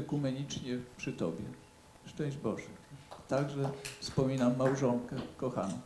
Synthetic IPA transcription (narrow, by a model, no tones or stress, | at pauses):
ɛkumɛɲit͡ʂɲɛpʂɘt̪ɔbʲjɛ̰ | ʂt͡ʂɛ̃w̃ʑd͡ʑbɔʐɛt̪aɡʐɛfspɔmʲinamːawʐɔŋkɛkɔxa̰nɔ̰